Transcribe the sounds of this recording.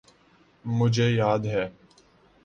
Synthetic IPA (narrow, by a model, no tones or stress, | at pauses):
mʊd͡ʒʱeːjaːd̪ɦɛː